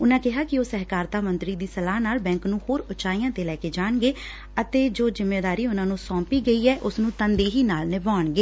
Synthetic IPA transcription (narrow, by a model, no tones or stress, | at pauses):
ʊnãːkɪɦaːkɪoːsɛɦkaːɾt̪aːmə̃nt̪ɾiːd̪iːsəlaːnaːlbɛ̃ːŋknũːhoːɾʊt͡ʃaːijãːt̪eːlɛːkeːd͡ʒaːɳɡeː | ət̪eːd͡ʒoːzɪmːeːd̪aːɾiːʊnãːnũːsɔ̃ːmpiːɡəiːɛːʔʊsnũːt̪ənd̪iːɦiːnaːlnɪbaːɳɡeː